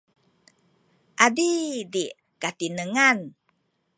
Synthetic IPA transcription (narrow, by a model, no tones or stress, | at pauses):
ʔadidi | kat̪inəŋan